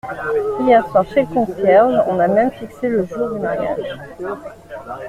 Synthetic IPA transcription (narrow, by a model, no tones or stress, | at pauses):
iɛʁswaʁʃɛlkɔ̃sjɛʁlɔ̃namɛmfikseləʒuːʁd̪ymaʁja̰ʒ